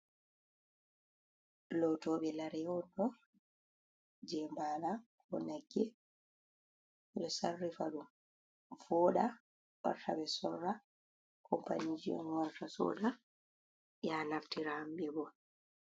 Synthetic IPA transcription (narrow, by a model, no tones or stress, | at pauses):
lɔtɔːɓɛlaɾɛɔdɔ | d͡ʒɛːmbaːnakɔnaɡːɛ | ɓɛɗɔsarːifaɗum | vɔːɗa | wa̰ɾtʰabɛsɔrːa | kʰɔmpa̰nid͡ʒiɔ̰nwaɾtasɔ̰ɗa | janaftiɾaambɛbɔ